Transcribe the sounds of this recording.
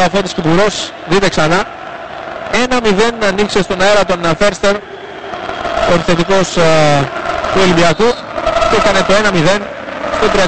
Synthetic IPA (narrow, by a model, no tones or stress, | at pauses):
ɐθot̪iskipuɾo̞s | ðit̪e̞ksɐnɐ | e̞nɐmiðe̞nɐnikse̞st̪o̞nɐe̞ɾɐt̪o̞nfeɾst̪eɾ | oɾise̞t̪iko̞s | t̪uelibiɐk̪u | cekɐne̞t̪o̞e̞nɐmiðe̞n | st̪ot̪ɾiɐ